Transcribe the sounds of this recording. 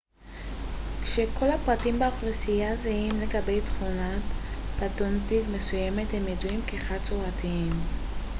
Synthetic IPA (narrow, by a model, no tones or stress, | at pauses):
kʃekʰo̞lapʁatimbaχlisijazaimle̞ɡabe̞jtχunatb̥atontikme̞sujeme̞themjeduimkeːχadt͡soʁatiim